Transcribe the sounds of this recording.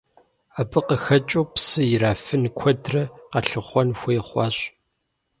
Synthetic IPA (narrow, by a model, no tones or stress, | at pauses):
aːbɨqəxɐt͡ʃʼoːpsɨjɪraːfɨnkʷʰɔdrɐqɐɬɨχʷɔnxʷejχʷɑːɕ